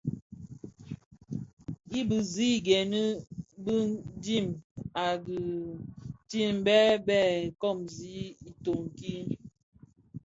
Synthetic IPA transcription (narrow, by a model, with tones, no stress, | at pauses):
i˦bɨ˨zi˦˨ɡɛ˨nə˦bə˦di˦˨ma˨ɡə˨ | ti˦˨m˦bɛ˦bɛ˦˨kɔ˦˨mzi˨˦i˨to˨ŋ˨ki˦